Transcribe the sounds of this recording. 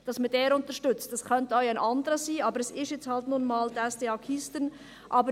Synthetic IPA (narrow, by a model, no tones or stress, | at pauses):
d̥ɑsmədeːɾʊntəʃtʏt͡std̥ɑskʰœntəœʏaɪnʔɑndəɾəziːɑːbəɾɛsɪʃjɛt͡shɑltnunmɑːldɛsdeɑkʰistən | ʔɑːbə